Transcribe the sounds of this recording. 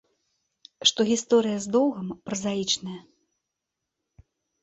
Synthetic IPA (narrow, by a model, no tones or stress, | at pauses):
ʂt̪ɔɣʲist̪ɔɾɨjɐzd̪ɔwɣɐmpɾɐzajit͡ʂnɐjɐ